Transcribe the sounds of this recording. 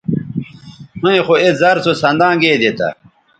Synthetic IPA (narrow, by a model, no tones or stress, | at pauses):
hũĩxoezɐɾsosɐ̃nd̪ãːɡeːd̪et̪ɐ̰